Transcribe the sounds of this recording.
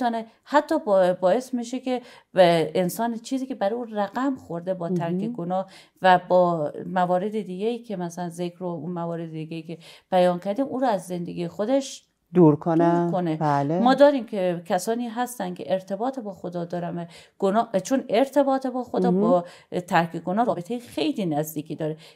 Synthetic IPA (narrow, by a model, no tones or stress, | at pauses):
ɔːne | hæt̪ʰːɒːbbɒːe̞smiʃekʰe | ensɒːnt͡ʃʰiːziːkʲebæɾuːræɣæmxoɾd̪ebɒːt̪ʰæɾkʰeɡonɒːh | væbɒːmævɒːɾe̞d̪ed̪iːɡeiːkʲʰe̞mæsælænzekʰɾounmævɒːɾed̪ed̪iɡejiːkʰʲeb̥æjɒːnkʰæɾd̪iːmʔuːɾoæzːe̞nd̪eɡʲijexod̪eʃ | d̪uɾkʰodneɾkonealemɒːd̪ɒːɾiːmkʲʰekʲʰæsɒːniːɦæst̪æncʰḛʔeɾt̪ʰe̞bɒːt̪ʰebɒːxod̪ɒːd̪ɒːɾænvæɡ̥onɒːt͡ʃʰone̞ɾt̪ʰe̞bɒːt̪ʰebɒːxod̪ɒːbɒː | t̪ʰæɾkʰeɡonɒːɾɒːbet̪ʰejexejliːnæzd̪iːkʰiːd̪ɒːɾe